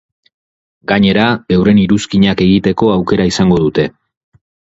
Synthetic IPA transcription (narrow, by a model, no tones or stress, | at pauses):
ɡaɲe̞ɾaewre̞niɾuskiɲake̞ɣit̪e̞ko̞awke̞ɾaisaŋɡo̞ðut̪e̞